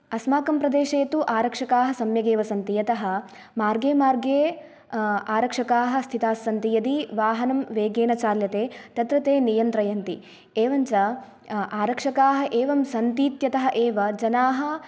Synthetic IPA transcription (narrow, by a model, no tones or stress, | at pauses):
ɐsmaːkɐmpɾɐd̪eːʃeːt̪uʔaːɾɐkʂɐkaːɦɐsɐmjɐɡeːʋɐsɐnt̪ijɐt̪ɐɦɐ̆ | maːɾɡeːmaːɾɡeː | aːɾɐkʂɐkaːɦɐ̆st̪ʰit̪aːsːɐnt̪ijɐd̪iʋaːɦɐnɐmʋeːɡeːnɐt͡ʃaːɾjɐt̪eːt̪ɐt̪ɾɐt̪eːnijɐnt̪ɾɐjɐnt̪i | eːʋɐɲt͡ʃɐ | aːɾɐkʂɐkaːɦɐ̆ʔeːʋɐmsɐnt̪iːt̪jɐt̪ɐɦɐʔeːʋɐd͡ʒɐnaːɦɐ̆